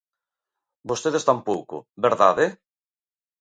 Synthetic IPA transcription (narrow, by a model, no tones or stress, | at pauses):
bost̪eðest̪ampowkʊ̰beɾða̰ðe